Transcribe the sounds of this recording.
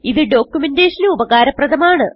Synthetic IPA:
iðɨɖo̞ːkjumendeːʂɐnɨubɐɣaːɾɐprɐðɐmaːɳɨ

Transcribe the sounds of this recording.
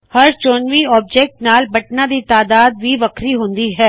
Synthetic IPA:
hɐɾt͡ʃoːnʋiɔːb̚d͡ʒeːk̚ʈnaːlbɐʈnãd̪it̪aːd̪aːd̪̚bʱiʋɐkʰɾiɦõːnd̪iɦɛː

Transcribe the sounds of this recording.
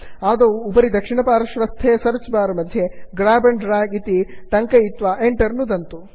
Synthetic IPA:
aːd̪ɐːpɐɾid̪ɐkʂiɳɐpaːɾɐʃʋɐst̪ʰːeːsɐɾt͡ʃbaːɾɐmɐd̪ʱjeɡɾaːbɐɳɖɾaːɡit̪it̪ɐŋkɐit̪ʋaʔeɳʈɐɾnud̪ɐnt̪u

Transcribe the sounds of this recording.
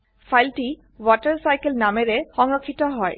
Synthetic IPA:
fʰajlʈi | wɔʈəɾsajkelnameɾexɔŋɾokʰːit̪ɔɦɔe

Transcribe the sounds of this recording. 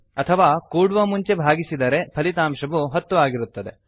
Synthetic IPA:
ɐt̪ʰɐʋaːkuːɽʋɐmuɲt͡ʃe̞bʱaːɡisid̪ɐɾe̞pʰɐlit̪aːmʃɐʋuɦɐt̪ːuʋaːɡiɾut̪ːɐd̪e̞

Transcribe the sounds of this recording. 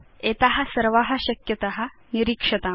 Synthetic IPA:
et̪aɦɐsɐɾʋaɦɐ̆ɕɐkjɐt̪aɦɐniɾikʂɐt̪a

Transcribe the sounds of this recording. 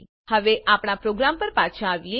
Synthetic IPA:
həʋeʔapɳ̃apɾoɡɾampəɾpat͡ʃʰaːʋije

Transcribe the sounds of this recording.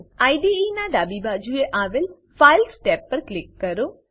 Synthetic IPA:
aiɖiinaɖ̪aːbibad͡ʒueʔaːʋel | failsʈepːəɾklɪkːəɾo

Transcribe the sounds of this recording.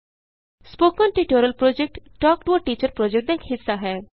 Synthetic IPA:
spoːkɔnʈiʈoɾəlpɾod͡ʒek̚ʈʈɔːkʈʋɔʈiːt͡ʃəɾpɾoːd͡ʒek̚ʈ̚d̪ekhɪsːaɦɛː

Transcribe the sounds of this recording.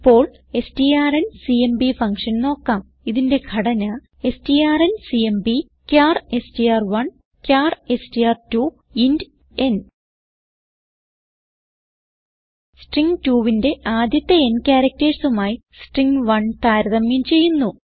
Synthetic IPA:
pːo̞ːɭ | e̞stijaːrensiembifɐŋkʂɐnno̞ːkːaːm | iðinde̞ɡʰʱɐɽɐnɐ | e̞stijaːrensiembi | kʲaːre̞stijaːrʋɐɳ | kʲaːre̞stijaːrtu | ind | en | sʈriŋɡtuːʋinde̞ʔaːd̪jɐt̪ːeenkʲaːɾɐk̚tɐɾsumaːji | sʈriŋɡʋɐɳt̪aːɾɐðɐmjɐmt͡ɕe̞jːunːu

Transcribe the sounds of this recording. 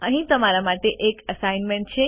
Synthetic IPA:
əɦĩt̪əmaɾamaʈeʔekəsajnmẽɳʈ̚t͡ʃʰe

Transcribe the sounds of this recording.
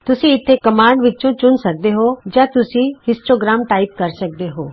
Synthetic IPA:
t̪ʊsĩɪt̪ʰːekəmaːɳɖʋɪt͡ʃõt͡ʃʊnsɐk̚d̪eɦoːd͡ʒãːt̪ʊsĩhɪsʈoːɡɾaːmʈaːɪp̚kɐɾsək̚d̪eɦoː

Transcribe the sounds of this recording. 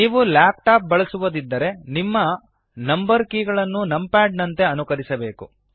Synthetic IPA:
niːʋulaːp̚ʈaːp̚bɐɭɐsuʋud̪id̪ːɐɾe̞nimːɐ | nɐmbɐɾkiːɡɐɭɐnːunɐmpaːɖnɐnt̪e̞ɐnukɐɾisɐbe̞ːku

